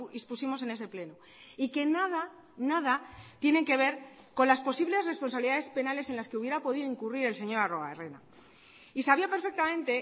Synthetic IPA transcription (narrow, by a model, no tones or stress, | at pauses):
ispusimo̞se̞ne̞s̬e̞ple̞no | ike̞naða | naðat̪je̞ne̞ŋke̞β̞e̞ɾ | ko̞nlaspo̞siβle̞sre̞spo̞nsaβiliðaðe̞spe̞nale̞se̞nlaske̞uβ̞je̞ɾapo̞ðiðoiŋkuriɾe̞lse̞ɲo̞ɾaro̞a̰ere̞na̰ | isaβiape̞ɾfe̞k̚t̪amẽ̞nt̪e̞